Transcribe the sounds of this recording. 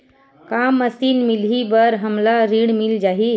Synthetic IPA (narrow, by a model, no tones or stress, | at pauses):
kamːəsiːnmilɦibəɾɦəmlaɾiɽmild͡ʒaɦi